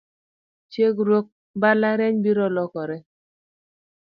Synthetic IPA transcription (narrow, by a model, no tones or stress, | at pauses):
t͡ʃeɡɾwok̚ | balaɾɛɲbiɾɔlɔkɔɾɛ